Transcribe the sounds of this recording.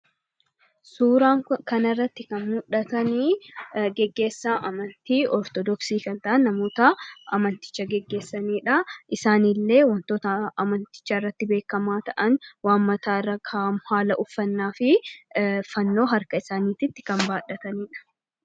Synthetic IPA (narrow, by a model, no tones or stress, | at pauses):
suːɾaːŋkɐnɐrːɐt̪ːɪkɐnmʊᶑɐt̪ɐniːɡɛɡːe̞ːsːaːʔɐmɐnt̪iːʔɔɾt̪ɔd̪ɔksiːkɐnt̪ɐʔɐnːɐmo̞ːt̪ɐɐmɐnt̪ɪ̥t͡ʃːɐɡɛɡːe̞ːsːɐniːᶑɐʔɪsaːnɪlːe̞ːwɐnt̪oːt̪ɐɐmɐnt̪ɪ̥t͡ʃːɐɪrːɐt̪ːɪbe̞ːkːɐmaːt̪ɐʔɐnwaːnmːɐt̪aːrːɐkʰaːmʊhaːlɐʔʊfːɐnːaːfɪ | fɐnːo̞ːɦɐɾkɐɪsaːniːt̪ɪt̪ːɪ̥kɐmbaːᶑɐt̪ɐniːᶑɐ̥